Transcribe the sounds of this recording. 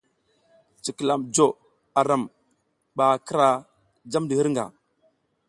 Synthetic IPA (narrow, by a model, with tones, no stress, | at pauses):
t͡ʃi˨kə˨la˨md͡ʒo˨ | a˨ɾa˨m | ɓa˨kə˦ɾa˨ | d͡ʒa˦mdə˨hə˦ɾŋɡa̰˨